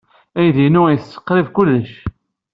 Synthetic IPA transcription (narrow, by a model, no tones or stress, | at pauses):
æjðinʊjəsːə̥qːɾivkʊlːəʃ